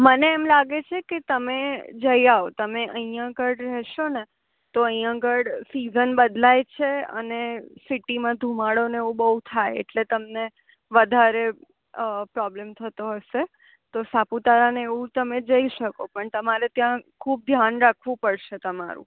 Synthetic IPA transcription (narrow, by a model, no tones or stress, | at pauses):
məneːmlaɡet͡ʃʰeket̪əmed͡ʒəjaot̪əmeʔəɦĩjãɡəɽɾɛɦʃone | t̪oəijãɡəɽsizənbəd̪lajt͡ʃʰeə̰nesiʈimãd̪ʱumaɽoneeʋũbəɦut̪ʰajḛʈlet̪əmne | ʋəd̪ʱaɾe | pɾɔblemt̪ʰət̪oɦəʃe | t̪osaput̪aɾaneeʋũt̪əmed͡ʒəiʃəkopəɳt̪əmaɾet̪jãkʰuːb̚d̪ʱjanɾakʰʋũpəɽʃet̪əmaɾṵ̃